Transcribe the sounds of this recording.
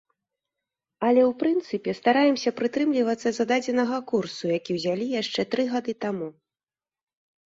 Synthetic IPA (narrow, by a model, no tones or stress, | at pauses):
ɐlʲɛwpɾɨnt̪sɨpʲɛst̪aɾajɛmsʲɐpɾɨt̪ɾɨmlʲivɐt̪sːɐzad̪ad͡zʲɛnɐɣɐkursujakʲiwzʲalʲijaʂt͡ʂɛt̪ɾɨɣad̪ɨt̪amu